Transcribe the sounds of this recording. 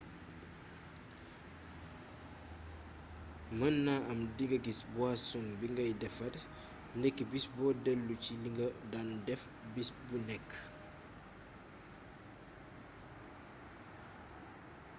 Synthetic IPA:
mənːaɐmdiŋɡɐɡisbwasɔŋbiŋɡɐjdɛfɐd | ndɛkːibisbɔːdɛlːuciliŋɡədandɛf | bisbunɛkː

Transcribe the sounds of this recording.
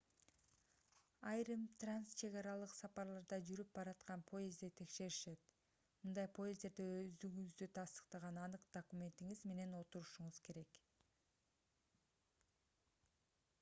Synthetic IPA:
ɑjɾɯmt̪ranst͡ʃʰe̞ɣɑɾɑlˠɯqsɑpɑɾlˠɑɾd̪ɑd͡ʒyɾyp̚bɑɾɑt̪qɑnpʰo̞jezd̪et̪ʰe̞kʃe̞ɾiʃe̞t̪ | mɯnd̪ɑjpʰo̞jezd̪e̞ɾd̪eøzd̪yɡyyzd̪yt̪ʰɑst̪ə̥qt̪ɑʁɑnɑnɯqd̪̥okumʲe̞nt̪iŋizme̞ne̞no̞t̪uɾuʃuɴuz̥ke̞ɾe̞k

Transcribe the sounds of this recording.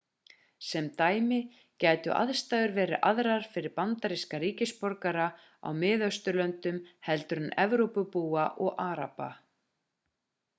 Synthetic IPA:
sɛmt̪aːjmɪ | cɛːjt̪ʏ̰ʔa̰ðst̪aːðʏɾvɛːɾɪ̰ʔaðɾaɾ̥fɪɾɪɾpant̪aɾiskaɾiːcɪspɔɾkaɾa | a̰wmɪːðœst̪ʏlœnt̪ʏmhɛlt̪ʏɾʏnɛvɾowpʏpuːaʔɔɣʔaːɾa̰pa̰

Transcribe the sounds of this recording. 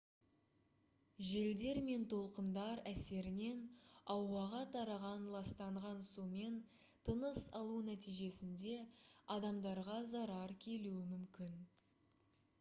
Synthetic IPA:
ʒe̞ld̪e̞ɾme̞nt̪ʰo̞lˠqənd̪ɑɾæse̞ɾɪne̞nɑwːɑʁɑt̪ʰɑɾɑʁɑnlˠɑst̪ɑɴʁɑnsume̞n | t̪ʰənəsɑ̰lˠunæt̪ijʒe̞sɪnd̪e̞ɑd̪ɑmd̪ɑɾʁɑzɑɾɑɾkʲʰe̞luɪmʏmkʲɪn

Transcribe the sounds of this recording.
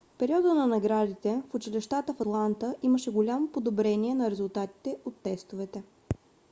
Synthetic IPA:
fpɛɾiɔd̪ənɐnɐɡɾad̪it̪ɛfʊt͡ʃilɛʃt̪at̪əfɐt̪lˠant̪əʔiməʃɛɡolʲamopod̪obɾɛniɛnɐɾɛzʊlˠt̪at̪i̥t̪ɛʔot̪ːɛst̪ovɛt̪ɛ

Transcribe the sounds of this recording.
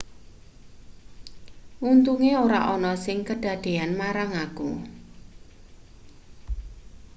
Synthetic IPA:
ʔunt̪uŋeoɾa̰ʔɔnɔsɪŋkəɖ̥ä̤d̪̥e̤anmaɾaŋakṵ

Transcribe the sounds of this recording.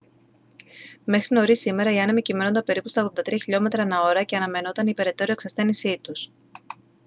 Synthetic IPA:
me̞xɾino̞ɾisimeɾɐiɐnɐmicime̞no̞nd̪ɐpe̞ɾipusɐoɣðond̪ɐt̪ɾiɐçiʎo̞me̞t̪ɾɐnɐo̞ɾɐce̞ɐnɐme̞no̞t̪ɐnipe̞ɾe̞t̪o̞ɾioeksɐsθe̞nisit̪us

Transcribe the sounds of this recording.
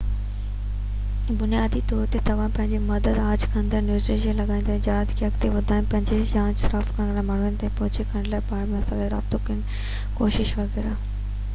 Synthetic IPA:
bʊnijaːd̪it̪ɔːɾt̪et̪ɐʋ̤ãpɐ̃ɦɪɲd͡ʑemɐd̪əd̪aːd͡ʑkʰɐ̃nd̪əɾnjuːsʈɾeːʃiəlɐɡaːĩnd̪ãːd͡ʑaːd͡ʑkɐkt̪eʋɐd̪ʱaːj̃npɐ̃ɦɪ̃ɲd͡ʑed͡ʑãːd͡ʑsɾaːfkɐɽ̃ɾamaːɳ̤ʊnɪ̆t̪aːĩpɔːt͡ɕekʰɐ̃ɽɖlaːpaːɾmãsãɐɡleɾa̰ːbt̪okiən | koːʃɪʃʋɐɣeːɾaː

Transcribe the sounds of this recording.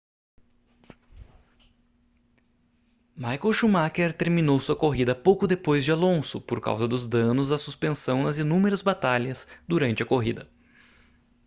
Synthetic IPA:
majkowʃumakeɾt̪eɾmĩnowsuɐkoɦid̪ɐpowkʊd̪epojzd͡ʒɪalõsʊpoɾka̰wzɐd̪ʊzd̪ɐ̃nʊzd̪ɐsuspẽsɐ̃w̃nɐzinũmeɾɐzbat̪aʎɐsd̪uɾɐ̃nt͡ʃɪɐkoɦid̪ɐ

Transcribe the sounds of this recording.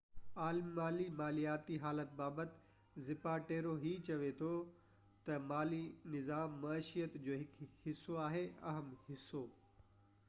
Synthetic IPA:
aːlmmaːlimaːlijaːt̪iɦaːlət̪̚baːbət̪ɪ̥ | zɪpaʈeːɾoɦit͡ɕɐʋet̪ʰo | t̪ɐmaːlinɪzaːmːaːʃijət̪d͡ʑoːɦɪkhɪsːoaːɦeɐ̰ɦəmhɪsːo

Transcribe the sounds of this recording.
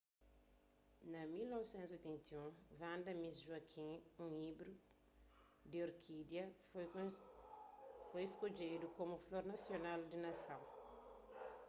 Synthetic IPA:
nɐmilnɔvsẽnt̪zojt̪ẽnt̪iũvãnd̪ɐmisʒwɐkʰĩũibɾu | d̪ioɾkʰid̪jɐ | fojeskod͡ʒed̪ukomufloɾnɐsjonald̪inɐsɐ̃w

